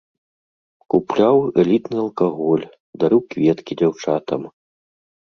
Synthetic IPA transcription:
kuplʲawɛlʲit̪nɨɐlˠkaɣɔlʲ | d̪aɾɨwkvʲɛt̪kʲid͡zʲawt͡ʂat̪ɐm

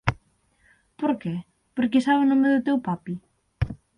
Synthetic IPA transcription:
poɾkɛ | poɾk̬esaβnõmeðʊt̪ewpapi

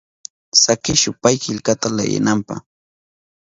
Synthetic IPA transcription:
sakɪʃʊpajkɪʎkat̪ala̰ja̰nampa̰χ

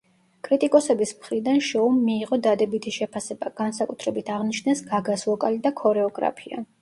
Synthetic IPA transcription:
kʼɾit̪ʼikʼɔsɛbismχɾid̪anʃɔumːiːʁɔd̪ad̪ɛbit̪ʰiʃɛpʰasɛbaɡ̥ansakʼut̪ʰɾɛbit̪ʰaʁnit͡ʃʰnɛsɡaɡaslˠɔkʼalid̪akʰɔɾɛɔɡɾa̰pʰia̰

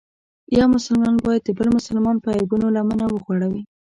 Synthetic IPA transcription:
jɑmʊsʊlmɑnbɑjad̪̚ːəbəlmʊsʊlmɑnpəajbunolamanawəxwaɽawi

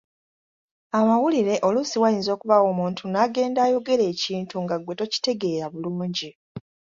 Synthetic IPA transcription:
amawuliɾe̞ʔo̞lusiwajiːnzo̞ːkuβawo̞ːmuːntʰunaɡe̞ːndaːjo̞ɡe̞ɾe̞ːciːntuŋɡaɡwe̞to̞ci̥te̞ɡe̞ːɾaβuluːɲɟi

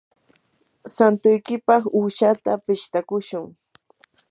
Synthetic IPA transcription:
sant̪ʊjkɪpɑχuːʃat̪apɪʃt̪akʊʃʊŋ

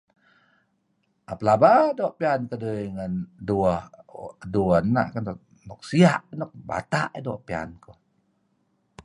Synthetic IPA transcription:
apəlabadoʔpiankədəjŋənduəhduənnːa̰ʔkənɔ | nɔk̚siaʔnɔk̚ba̰t̪a̰ʔidoʔpia̰nku

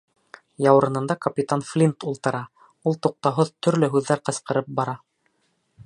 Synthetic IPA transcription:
jɑwɾɤ̆nɤ̆nd̪ɑkɐpʲit̪anflʲint̪ulˠt̪ɤ̆ɾɑ | ulˠt̪uq̚t̪ɑɦoðt̪ɵ̆ɾlɵɦʉðːæɾqɤ̆sqɤ̆ɾɤp̚bɑɾɑ

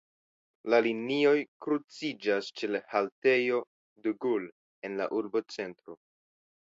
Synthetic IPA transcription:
lalinio̞jkɾut͡sid͡ʒast͡ʃe̞lhalte̞jo̞ | duɡul | e̞nla̰ʔuɾbo̞t͡se̞ntɾo̞

